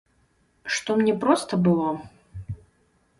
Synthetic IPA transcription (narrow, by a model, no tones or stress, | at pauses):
ʂt̪ɔmnʲɛpɾɔst̪ɐbɨlˠɔ